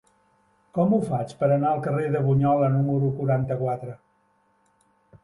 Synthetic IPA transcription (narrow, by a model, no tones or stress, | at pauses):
kɔmufat͡ʃpəɾənaəlˠkəreðəβuɲɔlənuməɾukuɾant̪əkwat̪ɾə